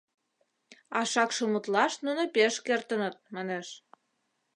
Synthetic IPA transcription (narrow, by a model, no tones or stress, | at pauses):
ɑʃɑkʃəmut̪lɑʃnunopeʃkert̪ənət̪̚mɑneʃ